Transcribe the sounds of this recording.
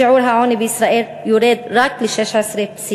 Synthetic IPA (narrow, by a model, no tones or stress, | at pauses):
ʊʕuːɾɦaʕoːnibʔɪsɾˤɑːʔiːl | jʊɾiːd̪ɾˤɑːklʃeʃʕasɾefsi